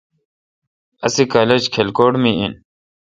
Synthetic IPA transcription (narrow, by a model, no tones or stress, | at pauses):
ɐ̰sikaːled͡ʑkʰelkoːɽmiḭn